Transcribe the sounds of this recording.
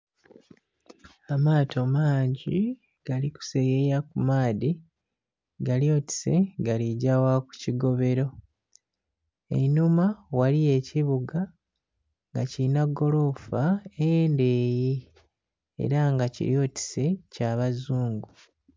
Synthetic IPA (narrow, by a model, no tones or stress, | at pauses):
amaːtʰo̞maːɲɟi | ɡ̥aliku̥sejejakumaːdi | ɡaljo̞ːti̥se̞ɡaliɟawaku̥ciɡo̞βe̞ɾo̞ | ḛnumawalije̞ciβuɡa | ŋɡacinaɡo̞lo̞faende̞ːji | ḛɾaŋɡacḭɾjo̞ːti̥se̞caːβazuːŋɡu